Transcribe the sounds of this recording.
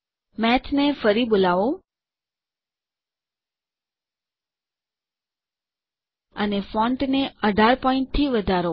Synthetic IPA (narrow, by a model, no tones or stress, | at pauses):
mɛt͡ʃnefəɾibolaʋõ | ənefɔ̃ɳʈneəɖʱaɾpɔiɳʈ̚t̪ʰiʋəd̪ʱaɾo